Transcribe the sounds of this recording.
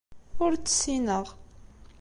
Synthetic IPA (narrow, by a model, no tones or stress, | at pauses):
ʊɾt͡sːə̥sinəʁ